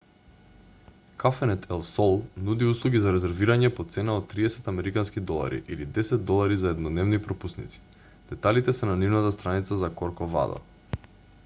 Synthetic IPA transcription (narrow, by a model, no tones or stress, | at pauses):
kafɛnɛt̪ʰɛlˠsɔlˠnud̪iuslˠuɡʲizaɾɛzɛɾviɾaɲɛpɔt̪sɛnaot̪̚t̪ːɾiɛsɛt̪amɛɾikanskid̪ɔlˠa̰ɾḭʔilid̪ɛsɛd̪ːɔlˠaɾizaɛd̪nɔd̪nɛvnipɾɔpusnḭt̪si̥ | d̪̥ɛt̪alit̪ɛsɛnanivnat̪ast̪ɾanit̪sazakɔɾkɔva̰d̪a̰